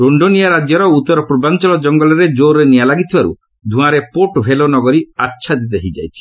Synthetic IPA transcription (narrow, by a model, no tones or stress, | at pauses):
ɾoɳɖonijaɾad͡ʒjɔɾɔut̪ːɔɾɔpɾubant͡ʃɔlɔd͡ʒɔŋɡɔlɔɾed͡ʒoɾenijalaɡit̪ʰibaɾṵ | d̪ʱũãɾepoʈbʱelonɔɡɔɾiatːʃʰad̪id̪eɦid͡ʒajt͡ʃʰi̥